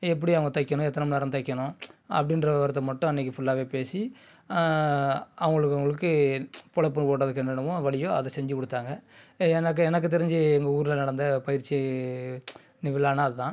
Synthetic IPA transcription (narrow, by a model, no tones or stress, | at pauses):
ɛp̬ːɐɽiɐʋɐŋɡɐt̪ɐɪkːɐɳʊ̃ɛt̪ːɐnɐmnaːɾɐ̃t̪ɐɪkʲːɐɳʊ̃ɐ̰pːɐɽɪnrɐʋʋɐɾɐt̪ːɐmɐʈːʊ̃ɛnːɐkːɯfʊɭːaːʋeːpeːsi | ɐʋɐŋɡɐɭɯkːɐʋɐŋɡɐɭɯk̬ːɯpɔɭɐpːɐnpoːʈːɐðɯkːɛnɐɳɐʋʊ̃ʋɐɭɪjõɐ̰ðɐsɛɲd͡ʒɯkɔɽɯt̪ːaːŋɡɐɛnɐk̬ːɯɛnɐkːɯt̪̬ɛɾɪɲd͡ʒɯɛŋɡɐuːɾɪlɐnɐɽɐnd̪ɐpɐjɪɾt͡ʃːi | nɪʋɪlaːnɐːðɯt̪ãː